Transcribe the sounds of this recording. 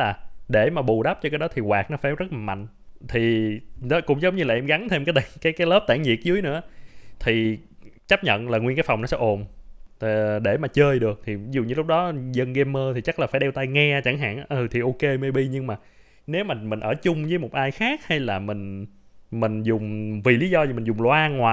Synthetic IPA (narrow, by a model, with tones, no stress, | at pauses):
laː˨˩ɗe˧˩maː˨˩ɓu˨˩ɗa˦˥p̚t͡ɕɔ˧kaː˨˦jɗɔ˨˦t̪ʰi˨˩ɣwaː˨˩k̚nɔ˨˦faː˧˩zə˦˥t̚laː˨˩ma̰˧˨jŋ̟ | t̪ʰi˨˩n˨˦kʊ̰˧˥ŋ͡mzə˨˦wŋ͡mɲɨ˧laː˨˩ʔɛ˧mɣa˨˦ŋt̪ʰe˧mkaː˨˦t̪ːkaː˨˦jkaː˨˦jləː˦˥p̚t̪aː˧˩ŋzḭ˨˩ək̚zɨ˨˦əjnɨ̰˧˥ət̪ʰi˨˩ | t͡ɕa˦˥p̚ɲə̰˧˨nlaː˨˩ŋwi˧nkaː˨˦jfa˨˩wŋ͡mnɔ˨˦sɛ˧ʔo˨˩n˨˩ | ɗe˧˩maː˨˩t͡ɕəː˧jɗɨ˨˩ək̚t̪ʰi˨˩˦zu˨˩ɲɨ˧lʊ˦˥k͡p̚ɗɔ˨˦zə˧nɣɛ˧mːəː˧t̪ʰi˨˩t͡ɕa˦˥laː˨˩aː˧˩jɗɛ˧wt̪a˧jŋɛ˧t͡ɕa˧˩ŋɦa̰ː˧˨nʔə˨˩t̪ʰi˨˩ʔo˧ke˧me˧ɓi˧ɲɨ˧ŋmaː˨˩ | ne˨˦wmaː˨˩mï˨˩ŋ̟ʔəː˧˩t͡ɕʊ˧ŋ͡mzəː˨˦jmo˨˩t̚ʔaː˧jxaː˦˥k̚ha˧jlaː˨˩mï˨˩ŋ̟ | mï˨˩ŋ̟zʊ˨˩ŋ͡mvi˨˩li˨˦zɔ˧zi˨˩mï˨˩ŋ̟zʊ˨˩ŋ͡mlwaː˧ŋwaː˨˩